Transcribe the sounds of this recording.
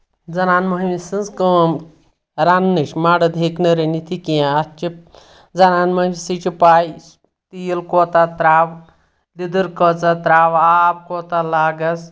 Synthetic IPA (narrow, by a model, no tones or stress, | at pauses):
d͡zɐnaːnmɐɦmisɨnzkəm | ɾanːɨʃmaːɽɐd̪ʱeːknɐɾɐnit̪ʰikiãɐt͡ʃi | d͡zɐnaːnmɐsit͡ʃipaːji | t̪ijilkoːt̪at̪ɾaːw | lid̪ɨɾkət͡sat̪ɾaːwaːb̚koːt̪alaːɡɐs